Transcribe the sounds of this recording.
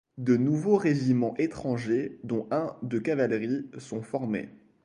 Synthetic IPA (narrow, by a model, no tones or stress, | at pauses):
d̪ənuvoʁeʒimɑ̃ʔet̪χɑ̃ʒed̪ɔ̃ʔɛ̃d̪əkavalʁisɔ̃fɔʁmḛ